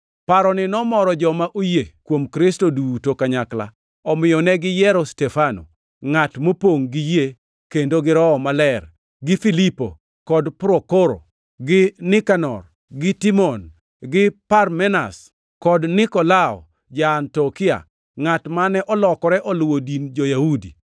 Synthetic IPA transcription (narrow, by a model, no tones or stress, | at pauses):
paɾɔnɪnɔmɔɾɔd͡ʒɔmaʔojekwomkɾɪstodutokaɲakla̰ | ɔmɪjɔnɛɡɪjɛɾostɛfano̰ | ŋatmopoŋɡije | kendoɡɪɾɔːmalɛr | ɡɪfilipo̰ | kɔdpɾokoɾo̰ | ɡɪnɪkanɔ̰r | ɡɪtimɔn | ɡɪparmɛna̰s | kɔdnɪkɔlaɔ̰ | d͡ʒaːntɔkɪa̰ | ŋatmanɛʔɔlɔkɔɾɛʔɔlwodind͡ʒɔjahudi